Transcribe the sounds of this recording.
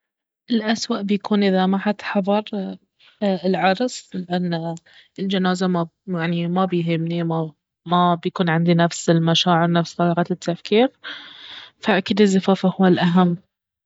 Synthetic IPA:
ʔɪlʔaswaʔbjakuːnʔɪðamaħat̪ħɑðˤɑɾˤ | ɪlʕɑɾˤsˤlɪʔanːa | ɪld͡ʒanaːzamajaʕnimabɪjɦɪmnima | mabjakuːnʕɪnd̪inafsɪlmaʃaːʕɪɾnafst̪ˤɑlɑːɣɑt̪ɪt̪ʰːafkiːɾ | faʔkɪd̪ɪzːafaːfahuwːalʔaɦamː

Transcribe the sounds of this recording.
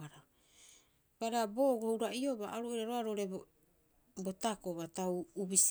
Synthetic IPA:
aɾa | b̥aɾabo̞ɡohuɾaʔio̞baʔaɾoʔiɾaɾoaɾo̞ɾe | botakoβatawubis

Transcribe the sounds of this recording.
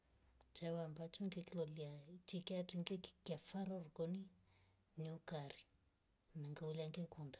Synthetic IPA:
t͡ʃawambat͡ʃuŋɡekiloliat͡ʃikeaʈ͡ʂiŋɡeki̥kafaɾoruɡoni | niukaɾi̥ | naŋɡauliaŋɡekuɳdḁ

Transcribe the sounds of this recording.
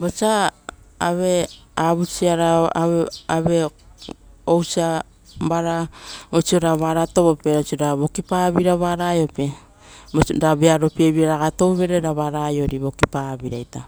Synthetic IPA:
bot͡ʃa | aβe̞aβut͡ʃiaɾaaaβe̞ | owt͡ʃia | baɾaot͡ʃio̞ɾaβaɾato̞βope̞ot͡ʃioɾaβo̞kipaβiɾaβaɾajo̞pe̞ | boɾabeaɾo̞pieβiaɾaɡato̞wβe̞ɾeɾaβaɾajo̞ɾiβo̞kipabiɾajta

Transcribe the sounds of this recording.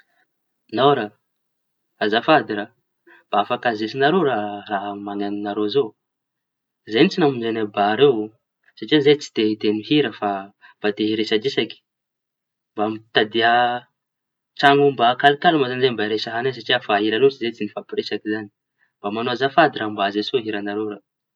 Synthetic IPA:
nawɾa | azafad̪iɾa | mb̥aafakazesinaɾoɾaraɦmaŋaninaɾezo | zejnit͡sinamunzanabaɾew | saʈ͡ʂianzet͡si̥t̪et̪enuɦiɾəfab̥at̪eɦiɾesad͡ʒisaki̥ | mbamit̪ad̪iə | ʈ͡ʂaŋumbakalikalumazanzembaiɾesaɦanas̬aʈ͡ʂiafaɦiɾalot͡ʃizet͡sinifapiɾesakizani̥ | mbamanoazafad̪iɾambazesoɦiɾanaɾoɾa

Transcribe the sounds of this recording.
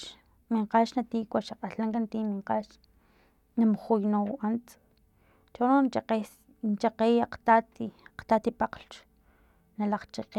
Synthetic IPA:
miɴqaːʃnat̪iːkʷaʃaqʼaɬaŋkant̪iːmiɴqaʃ | namχujnoʔant͡s | t͡ʃononqe | nt͡ʃaqeːjaqt̪at̪iaqt̪at̪ipaqlt͡ʃ | nalaχt͡ʃiqe

